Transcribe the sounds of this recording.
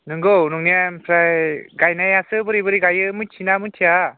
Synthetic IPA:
nɯŋɡownuŋnijampʰɾajɡajnajasɯbɯɾibɯɾiɡajɯmɯt͡ʃʰinamɯtʰia

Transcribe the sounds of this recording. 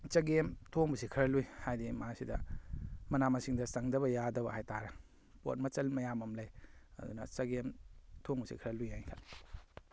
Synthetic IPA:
t͡ʃɐɡemtʰoŋbɐsikʰɐɾɐlujhajdimasidɐ | mɐnamɐsiŋdɐsɐŋdɐβɐjadɐbɐhajtaɾɐ | po̰t̚mɐt͡ʃɐlmɐjamɐmlɐjɐ̰dṵnɐt͡ʃɐɡemtʰoŋbusḭkʰɐɾɐlujhajkʰalːi̥

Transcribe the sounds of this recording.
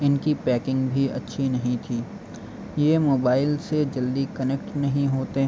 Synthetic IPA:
ɪnkipɛːkɪ̃ŋɡbʱiɐ̰tːʃʰinɐɦĩt̪ʰiː | jeːmoːbaːɪlsed͡ʒɐld̪ikɐnekʈnɐɦĩɦoːt̪e

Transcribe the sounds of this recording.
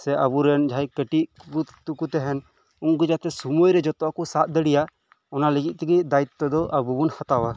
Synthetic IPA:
sɛʔabuɾɛnd͡ʒʱajkəʈikut̪ukut̪ɛɦɛn | uŋɡud͡ʒat̪ɛsumujɾɛd͡ʒɔt̪ɔakusat̪̚d̪ɛɽija | ɔnalɛɡit̪̚t̪iɡid̪ait̪ːɔd̪ɔʔabubunhat̪awa

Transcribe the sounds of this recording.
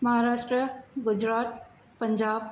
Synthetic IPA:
mɐɦaɾaːʂʈɾəɡʊd͡ʑɾaːt̪ | pəɲd͡ʑaːb

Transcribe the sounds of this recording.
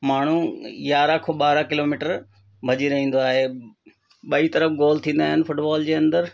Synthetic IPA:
maːɳ̤ujaːɾakʰoɓaːɾakɪloːmiːʈəɾ | bʱɐd͡ʑiɾɐɦĩːn̆d̪oaːɦeː | ɓɐit̪ɐɾəfɡoːlt̪ʰĩːn̆d̪aːɦɪnɪ̆fʊʈbaːld͡ʑeːɐ̃nd̪əɾ

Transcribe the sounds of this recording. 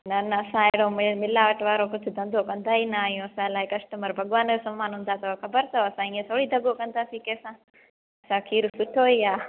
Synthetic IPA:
nɐnɐːsãːeːɽoːmɪmɪlaːʋəʈʋaːɾokʊd͡ʒʰʱʊd̪ɐ̃nd̪ʱokɐ̃nd̪aːinɐaːɦjũːɐsãlaːɦikɐsʈəməɾbʱɐɠʋaːnd͡ʒosɐmːaːnɦʊ̃ːn̆d̪at̪ɐʋaxɐbəɾt̪ʰɐoɐsãĩːẽt̪ʰoːɽiːd̪ʱɐɡokɐ̃nd̪aːsiːkeːsãː | ɐsãkʰiːɾsʊʈʰoːiːaː

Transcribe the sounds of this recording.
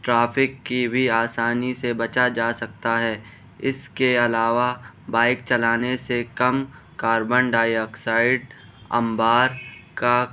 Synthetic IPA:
ʈɾaːpɪkːibʱiaːsaːnisebɐt͡ʃad͡ʒaːsɐk̚t̪aɦɛː | ɪskeɐlaːʋa | baːɪkt͡ʃɐlaːnesekɐm | kaːɾbəɳɖaːjəksaːɪɖ | ɐ̰̃mbaːɾka

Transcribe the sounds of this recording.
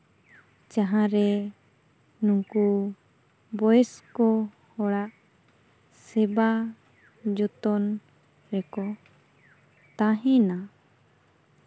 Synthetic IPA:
t͡ʃaɦãɾɛ | nũŋku | bɔjɛskɔ | hɔɽaʔ | sɛba | d͡ʒɔt̪ɔn | ɾɛkɔ | t̪ãɦɛ̃na

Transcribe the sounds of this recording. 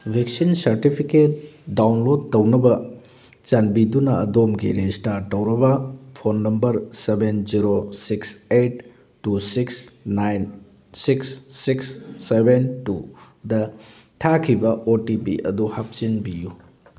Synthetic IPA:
bʱeksinsɐɾtipʰiket̚dawnlod̚tɐwnɐbɐ | t͡ʃɐnbidunɐɐdomɡḭɾestaɾtɐwɾɐbɐpʰonːɐmbɐɾsebenziɾosiksejtː | usiksnajn | siksːiksːebentu | dɐ | tʰakʰibɐʔotipḭʔɐ̰duhap̚t͡ʃinbiju

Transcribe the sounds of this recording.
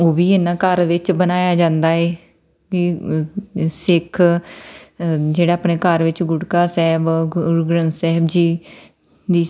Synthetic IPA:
oːʋiːeːnːãːkəɾʋɪt͡ʃbənaːjaːd͡ʒãːnd̪aːeː | ʋiː | sɪkʰ | d͡ʒeːɽaːapneːkəɾʋɪt͡ʃɡʊɽkaːsɛːbɡɾənsɛɦbd͡ʒiː | d̪iː

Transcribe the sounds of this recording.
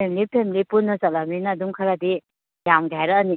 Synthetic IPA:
emlipʰemilipunːɐsɐlaminɐːduŋkʰɐɾadi | jamɡajɾɐːni

